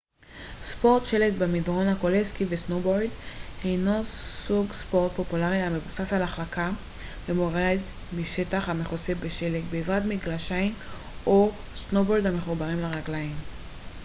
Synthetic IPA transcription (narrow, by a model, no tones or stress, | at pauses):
spo̞ʁt̪ʃe̞lekbemidʁo̞nhako̞leskivesnobojdhejnosuɡspo̞ʁt̪̚po̞pulaʁihame̞vusasalaχlaka | vemoʁed̪ | miʃe̞taχhameχosefbeʃe̞lekbeːzʁat̪miɡlaʃaim | o | snobo̞jdhame̞χubaʁimlaʁaɡlaim